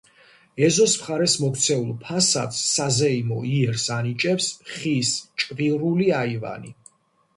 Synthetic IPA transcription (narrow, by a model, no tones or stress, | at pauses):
ɛzɔsmχaɾɛsmɔkʰt̪sʰɛulˠpʰasa̰t̪ssazɛimɔiɛɾsanit͡ʃʼɛpsχist͡ʃʼviɾuliaiva̰ni